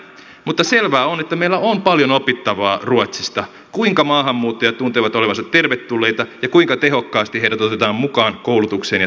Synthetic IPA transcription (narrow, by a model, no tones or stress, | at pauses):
mut̪ːɑselʋæːonet̪ːæmeilːæompɑljonopit̪ːɑʋɑːruɑt̪sist̪ɑ | kuiŋkɑmɑːɦɑmːuːt̪ːojɑt̪unt̪eʋɑt̪oleʋɑnsɑt̪te̞rʋet̪ːulːejt̪ɑjɑkuiŋkɑt̪eɦo̞kːɑːst̪iɦeiɾæt̪ot̪et̪ɑːmmukɑːŋkowlut̪ukseːnjɑ